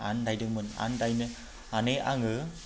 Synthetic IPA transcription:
a̰ndajdɯŋmɯna̰ndajnɯ | aneʔaŋɯ

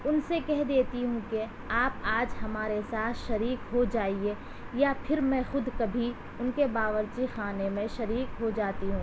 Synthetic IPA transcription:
ʊnsekɛɦd̪eːt̪iɦũke | aːpaːd͡ʒɦɐmaːɾesaːt̪ʰʃɐɾiːkɦod͡ʒaːie | japʰɪɾmɛ̃xʊd̪kɐbʱi | ʊnkebaːʋəɾt͡ʃixaːnemẽʃɐɾiːkɦod͡ʒaːt̪iɦũː

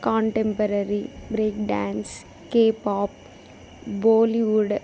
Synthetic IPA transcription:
kɔ̃ːɳʈẽmpəɾəɾibɾeːkɖãːns | keːpɔːp̚ | boːliʋuɖ

